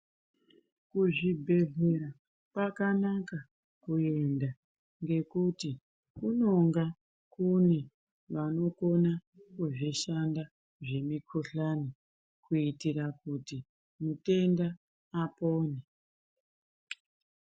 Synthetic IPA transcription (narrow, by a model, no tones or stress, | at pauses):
kuʐibʱe̞ɮe̞ɾa | pakanaka | kue̞nda | ŋɡe̞kuti | kuno̞ŋɡa | kune | ʋano̞ko̞na | kuʐiʃanda | ʐe̞mikʰoɬani | kuitiɾakuti | mute̞ndaː | po̞ːne